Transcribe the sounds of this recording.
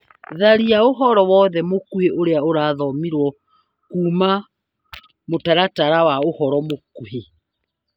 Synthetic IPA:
ðaɾiaoɦɔɾɔwɔðɛmokuheʔoɾeaoɾaːðɔmiɾwɔ | kuːma | motaɾataɾawaohɔɾɔmokuhe

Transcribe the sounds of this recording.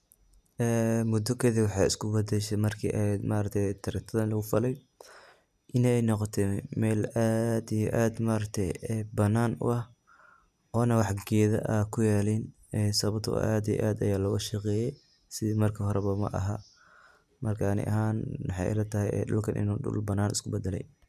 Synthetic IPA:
ʔɛːmʊd̪ɔkʰɛːðiwɑħɑjɪskʰʊbɐd̪ɛʃɛmɐrkʰḭːʔɛmaːɾɐk̚t̪ʰɛjt̪ʰɐɾɪt̪ʰɐðɐnlɐɣʊfɐlɛj | ʔɪnɛɛjnɔqɔt̪ʰɛmɛːlaːd̪ijɔʔaːd̪maːɾɐk̚t̪ʰɛjbɐnːaːnʊ̰ʔɐh | ʔɔːnɐwɑħɡɛːðɐ̰ʔɐkʰʊjaːliːn | ɛsɐβɐt̪ʰɔ̰ʔaːd̪ij̰ʔaːd̪ɐjaːlɔɣɐʃɐqɛːjɛj | sɪðimɐrkʰɐhɔɾɛβɐmɐ̰ʔɐ̰ɦa | mɐrkʰanɪ̰ʔɐ̰ɦaːnwɑħɑ̰lɐt̪ʰɐɦɛjɛ̰ɗʊ̰lkʰɐnʔɪ̰nuːɗʊ̰lbɐnaːnɪskʰʊbɛd̪ɛlɛ̰j

